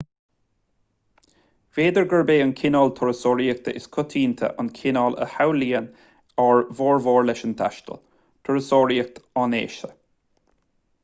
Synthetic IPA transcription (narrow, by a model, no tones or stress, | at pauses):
veːd̪əɹɡəɹbeːənkʰɪnɔːlt̪ʰɔɹəsɔːɹiək̚t̪ʰəʔɪskʰʊt̪ʰiːnt̪ʰə̰ʔankʰɪnɔːlə̰hawliːən | aɹvɔːɹvɔːɹlɛʃənt̪ʰa̰ʃt̪ə̰l | t̪ʰɔɹəsɔːɹiək̚t̪ɑnḛːʃə